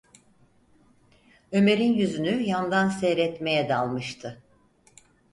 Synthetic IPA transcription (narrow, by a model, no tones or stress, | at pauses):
ø̞me̞ɾinjyzynyjand̪ansɛɾɛt̪me̞jɛd̪alˠmɯʃt̪ʰɯ